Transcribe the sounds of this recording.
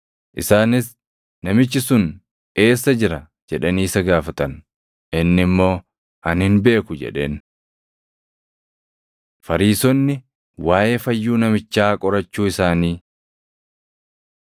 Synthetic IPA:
ʔɪsaːnɪs | nɐmɪt͡ʃːɪsʊn | e̞ːsːɐd͡ʒɪɾɐ | d͡ʒɛᶑɐniːsɐɡaːfɐt̪ɐn | ʔɪnːɪmːo̞ː | ʔɐnhɪnbe̞ːkʊd͡ʒɛ̰ᶑe̞̰ːn | fɐɾiːsɔnːɪ | waːjefɐjːuːnɐmɪt͡ʃːaːkʼɔɾɐt͡ʃːuːɪsaːniː

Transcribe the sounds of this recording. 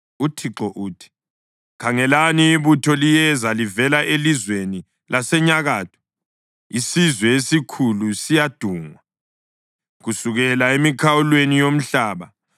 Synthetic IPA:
utʰiǁɔʔuːtʰi̥ | kʰaŋɛlaniːβutʰɔlijɛzalivɛlaʔelizweni | lʔasɛɲaɣaːtʰɔ̥ | isizwɛesikʰulusijad̥ʱuːŋwa | ɣusuɣɛlaemikʰawulwenijom̩ɬaːβa

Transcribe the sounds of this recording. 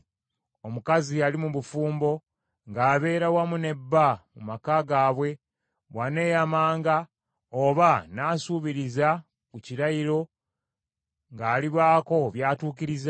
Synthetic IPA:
omukazialimuβufuːmbo̞ | ŋɡaːβe̞ːɾawamune̞bːamumakaɡaːβwe̞ | βwane̞ːjamaːŋɡa | oβanaːsuβiɾiza | kuciɾaiɾo̞ | ŋɡaːliβaːko̞βjaːtuːkiɾiza

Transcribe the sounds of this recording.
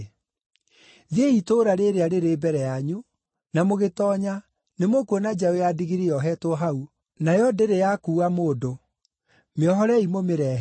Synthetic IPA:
ðeitoːɾaɾeɾeaɾeɾebɛɾɛjaɲu | namoɣetɔɲa | nemokuonad͡ʒaojadiɣiɾiɔɦɛtoɦau | najɔdeɾejakuːamoːdo | meɔɦɔɾɛimomeɾɛ

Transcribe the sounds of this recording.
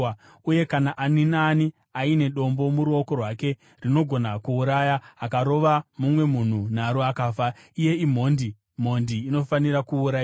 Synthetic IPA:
uje̞kanaʔaninani | aine̞ɗo̞mbo̞muɾuo̞ko̞rwake̞ | rino̞ɡʱo̞nakuːɾajaːkaɾo̞ʋamumwe̞mun̤un̤aɾoakaːfaije̞im̤o̞ndi | m̤o̞ndiːno̞faniɾakuːɾa

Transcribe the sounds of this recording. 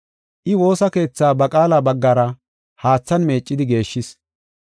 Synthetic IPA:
ʔɪwo̞ːsɐke̞ːt͡sːaːbɐkʼaːlaːbɐɡːaɾɐ | haːt͡sːɐnme̞ːt͡ʃʼːɪd̪ɪɡe̞ːʃːɪs

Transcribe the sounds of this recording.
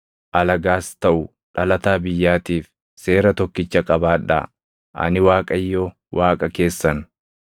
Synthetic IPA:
ʔɐlɐɡaːst̪ɐʔʊ | ᶑɐlɐt̪aːbɪjːaːt̪iːf | se̞ːɾɐt̪ɔkːɪt͡ʃːɐkʼɐbaːᶑɐ̰ | ʔɐ̰nɪwaːkʼɐjːoː | wʔaːkʼɐke̞ːsːɐn

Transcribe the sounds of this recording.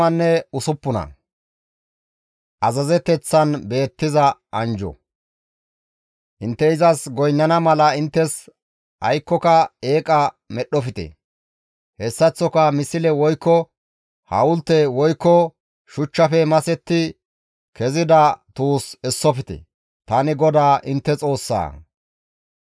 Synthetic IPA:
ɐnːɛʊsʊpːʊnɐ̰ | ʔɐzɐzɛt̪ɛt͡sːɐnbe̞ːt̪ːɪzɐɐnd͡ʒɔ̰ | ʔɪnt̪ːɛɪzɐsɡɔjnːɐnɐmɐlɐɪnt̪ːɛs | ɐ̰jkːɔkɐe̞ːkʼɐ | mɛɗːɔfɪt̪ɛ̰ | hɛsːɐt͡sːɔkɐmɪsɪlɛwɔjkːɔ | hɐ̰wʊlt̪ːɛwɔjkːɔ | ʃʊt͡ʃːɐfɛmɐsɛt̪ːɪ | kɛzɪd̪ɐt̪uːsɛsːɔfɪt̪ɛ̰ | t̪ɐnɪɡɔd̪aːʔɪnt̪ːɛt͡sʼo̞ːsːa̰ː

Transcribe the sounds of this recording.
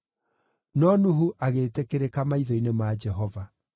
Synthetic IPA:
nɔnuɦuʔaɣetekeɾekamaiðɔinemad͡ʒɛɦɔva

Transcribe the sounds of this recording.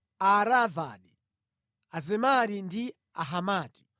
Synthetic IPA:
aɾava̰ni | azɛmaɾindi | aɦamaːti̥

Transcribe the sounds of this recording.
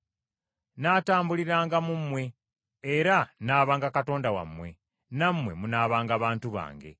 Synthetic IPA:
naːtaːmbuliɾaːŋɡamumwe̞ː | ɾanaːβaːŋɡakato̞ːndawa̰mwe̞̰ | namwe̞̰munaːβaːŋɡaːβaːntuβa̰ːŋɡe̞̰

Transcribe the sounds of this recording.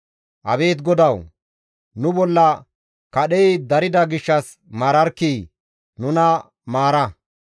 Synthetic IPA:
ʔɐ̰βe̞ːt̪ɡɔd̪ɐw | nʊbɔlːɐ | kɐɗɛjd̪ɐɾɪd̪ɐɡɪʃːɐs | maːɾɐɾkiː | nʊnɐ | maːɾɐ

